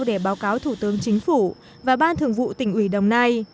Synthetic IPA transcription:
wɗe˧˩ɓaː˨˦wkaː˨˦wt̪ʰu˧˩t̪ɨ˨˦əŋt͡ɕï˨˦ŋ̟fu˧˩ | vaː˨˩ɓaː˧nt̪ʰɨ˨˩əŋvṵ˧˨t̪ï˧˩ŋ̟ʔwi˧˩ɗə̰˨˩wŋ͡mna˧j

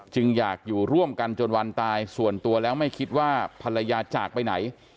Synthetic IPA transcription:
t͡ɕɯ˧ŋjaː˨˩k̚juː˨˩ɾu˥˩əmka˧nt͡ɕo˧nwa˧nt̪aː˧jsu˨˩ənt̪u˧ɐlɛː˦˥wma˥˩jkʰi˦˥t̪̚waː˥˩pʰa˧la˧jaː˧t͡ɕaː˨˩k̚pa˧jna˩˦j

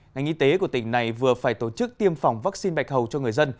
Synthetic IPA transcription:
ŋa˨˩jŋ̟ʔi˧t̪e˨˦ku˧˩ət̪ï˧˩ŋ̟na˨˩jvɨ˨˩əfaː˧˩jt̪o˧˩t͡ɕɨ˦˥k̚t̪i˧əmfa˨˩wŋ͡mvaː˦˥k̚si˧nɓa˨˩jk̟̚hə˨˩wt͡ɕɔ˧ŋɨ˨˩əjzə˧n

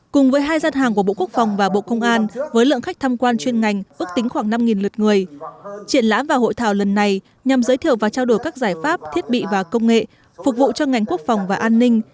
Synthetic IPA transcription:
kʊ˨˩ŋ͡mvəː˨˦jɦaː˧jzaː˧nɦaː˨˩ŋku˧˩əɓo̰˧˨ku˦˥k̚fɔ˨˩wŋ͡mvaː˨˩ɓo̰˧˨kə˧wŋ͡mʔaː˧nvəː˨˦jlɨ̰˧əŋxa˦˥k̚t̪ʰaː˧mkwaː˧nt͡ɕwi˧ənŋa˨˩jŋ̟ʔɨ˦˥ək̚t̪ï˨˦ŋ̟xwaː˧˩ŋna˧mŋi˨˩nlɨ˨˩t̚ŋɨ˨˩əjt͡ɕi˧˩ənla̰ː˧˥mvaː˨˩ho̰˧˨jt̪ʰaː˧˩wlə˨˩nːa˨˩j | ɲa˨˩mzəː˨˦jt̪ʰi˧˨əwvaː˨˩wt͡ɕaː˧wɗo˧˩jkaː˦˥k̚zaː˧˩jfaː˦˥p̚t̪ʰi˦˥ət̚ɓḭ˧˨vaː˨˩kə˧wŋ͡mŋḛ˧˨ | fʊ˨˩k̚vṵ˧˨t͡ɕɔ˧ŋa˨˩jŋ̟ku˦˥ək̚fɔ˨˩wŋ͡mvaː˨˩ʔaː˧nːï˧ŋ̟

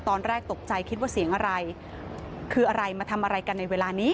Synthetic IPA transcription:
t̪ɔː˧nɾɛː˥˩k̚t̪o˨˩k̚t͡ɕa˧jkʰi˦˥t̪̚waː˥˩si˨˩˦əŋʔa˧ɾa˧j | kʰɯː˧ʔa˧ɾa˧jmaː˧t̪ʰa˧mʔa˧ɾa˧jka˧nːa˧jweː˧laː˧niː˦˥

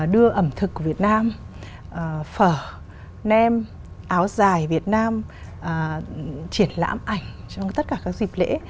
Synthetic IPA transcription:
ɗɨ˧əʔə˧˩mt̪ʰɨ˨˩kːu˧˩vi˨˩ət̚naː˧m | ʔfəː˧˩ | nɛ˧m | ʔaː˨˦wzaː˨˩jvi˨˩ət̚naː˧m | ʔə˨˩t͡ɕi˧˩ənla̰ː˧˥mʔa˧˩jŋ̟t͡ɕɔ˧wŋ͡mt̪ə˦˥t̚kaː˧˩kaː˦˥k̚zi˨˩p̚lḛ˧˥

